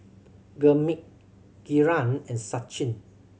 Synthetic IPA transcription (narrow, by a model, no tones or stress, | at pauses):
ɡəmik̚ | ɡ̥iɹãnɛ̃nsat͡ʃĩn